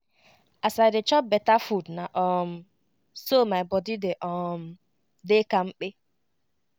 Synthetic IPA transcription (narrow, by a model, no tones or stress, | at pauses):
asajdet͡ʃɔp̚bɛtafudnaʔɔm̩ | somajbɔdideʔɔm̩ | dekaŋ͡m̩k͡pe